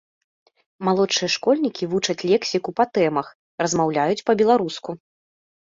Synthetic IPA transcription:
malˠɔʂɨjɐʂkɔlʲnʲikʲivut͡ʂɐt͡sʲlʲɛksʲikupat̪ɛmɐx | rɐzmawlʲajut͡sʲpɐbʲɛlˠaɾusku

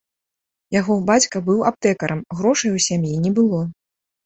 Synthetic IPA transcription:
jaɣɔbat͡sʲkɐbɨwap̚t̪ɛkɐɾɐmɣɾɔʂɐjwsʲamjinʲɛbɨlˠɔ

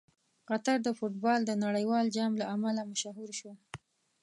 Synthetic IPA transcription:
qat̪aɾd̪əfoʈbɑld̪ənaɽəjwɑld͡ʒɑmlaamalamaʃaɦuɾʃwa

